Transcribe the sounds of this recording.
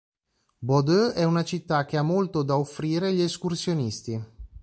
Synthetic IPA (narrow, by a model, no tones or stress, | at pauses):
bɔd̪øɛunat͡ʃit̪ːak̟ːeamːolt̪od̪aofːɾiːɾeʎeskursjonist̪i